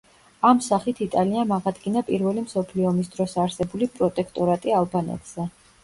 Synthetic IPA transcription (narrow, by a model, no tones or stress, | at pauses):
amsaχit̪ʰit̪ʼaliamaʁad̪ɡinapʼiɾvɛlimsɔpʰliɔmis̬d̪ɾɔsaɾsɛbulipʼɾɔt̪ʼɛkʰt̪ʼɔɾat̪ʼialˠbanɛ̰t̪ʼz̥ɛ